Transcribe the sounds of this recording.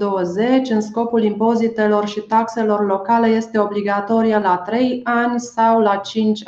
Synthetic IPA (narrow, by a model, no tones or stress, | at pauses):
d̪o̞wəze̞t͡ʃʲɨnsko̞pulimpo̞zit̪e̞lo̞rʃit̪akse̞lo̞rlo̞kale̞je̞st̪e̞o̞bliɡat̪o̞ɾijəlat̪ɾe̞janʲsawlat͡ʃint͡ʃʲ